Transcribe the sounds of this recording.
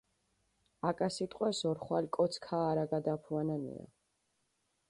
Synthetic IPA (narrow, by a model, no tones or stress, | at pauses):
akʼasit̪ʼqʼwɛsɔɾχwalkʼɔt̪sʰkʰaːɾaɡad̪apʰuananḭa̰